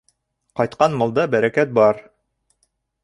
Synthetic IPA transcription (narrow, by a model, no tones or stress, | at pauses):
qɑjt̪̚qɑnmɤ̆lˠd̪ɑbæɾækæt̪̚bɑɾ